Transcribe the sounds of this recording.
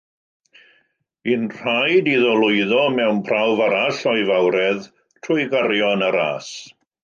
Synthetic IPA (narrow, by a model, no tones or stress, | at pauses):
inr̥ajdiðɔlʊɨðɔmɛwnpʰrawvaɾaɬɔɨvawɾɛð | tʰrʊɨɡaɾjɔnaɾa̰ːs